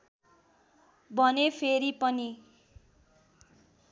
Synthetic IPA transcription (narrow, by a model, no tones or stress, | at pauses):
bʱʌnepʰeɾipʌni